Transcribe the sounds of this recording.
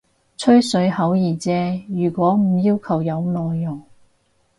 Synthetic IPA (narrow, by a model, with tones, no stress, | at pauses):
t͡sʰɵ˥ɥsɵ˨˧ɥhɐ˨˥wjiː˨˩t͡sɛː˧jyː˨˩kʷɔː˨˥m̩˨˩jiː˥wkʰɐ˨˩wjɐ˨˧wnɔː˨˧jːʊ˨˩ŋ